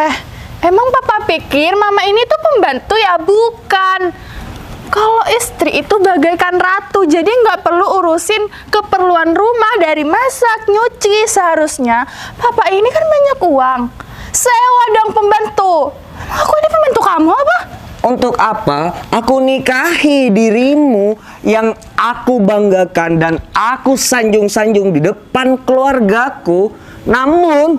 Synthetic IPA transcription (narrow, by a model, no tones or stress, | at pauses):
ɛh | emaŋpapapikɪrmamainit̪upəmbant̪ujabukan | kaloʔist̪ɾiʔːt̪ubaɡajkanrat̪ud͡ʒadiŋɡaʔpərluuɾusɪn | kəpərluanrumahdaɾimasak̚ɲut͡ʃisəɦaɾusɲapapainikanbaɲakuaŋ | sajawadɔŋpəmbant̪u | akuinipəmbənt̪ukamuapa | unt̪ʊkapaakunikahidiɾimu | jaŋ | akubaŋɡakandanʔakusaɲd͡ʒʊŋsaɲd͡ʒʊŋdidəpankəluarɡaku | namʊn